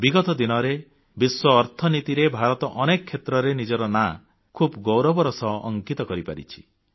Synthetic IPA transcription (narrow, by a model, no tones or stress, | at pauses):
biɡɔt̪ɔd̪inɔɾe | biswɔːɾt̪ʰɔnit̪iɾebʱaɾɔt̪ɔʔɔnekɔkʰːet̪ɾɔɾenid͡ʒɔɾɔna | kʰubɡɔwɾɔbɔɾɔsɔ̰ːŋkit̪ɔkɔɾipa̰ɾḭt͡ʃʰi̥